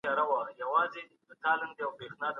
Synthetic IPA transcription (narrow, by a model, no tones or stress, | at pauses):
ɑɾawajawɑːzed̪ət̪ɑːlɪnd̪əjawpexnɑːd̪ə